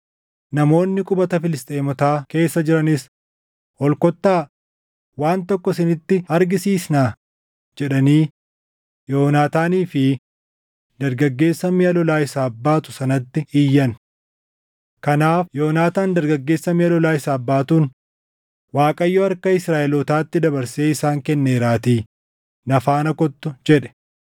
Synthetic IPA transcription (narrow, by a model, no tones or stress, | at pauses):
nɐmo̞ːnːɪkʼʊbɐt̪ɐfɪlɪst̪ʼeːmɔt̪aːke̞ːsːɐd͡ʒɪɾɐnɪs | ɔlkɔt̪ːaː | waːnt̪ɔkːɔsɪnɪt̪ːɪɐɾɡɪsiːsnaː | d͡ʒɛᶑɐniː | joːnaːt̪aːniːfɪ | d̪ɐɾɡɐɡːe̞ːsːɐmiːɐlɔlaːɪsaːbːaːt̪ʊ̥sɐnɐt̪ːɪɪjːɐn | kɐnaːfjoːnaːt̪aːnd̪ɐɾɡɐɡːe̞ːsːɐmiːɐlɔlaːɪsaːbːaːt̪uːn | waːkʼɐjːɔɐɾkɐɪsɾaːʔɛlɔːt̪aːt̪ːɪd̪ɐbɐɾseːɪsaːŋkɛnːe̞ːɾaːt̪iː | nɐfaːnɐkɔt̪ːʊd͡ʒɛᶑɛ̥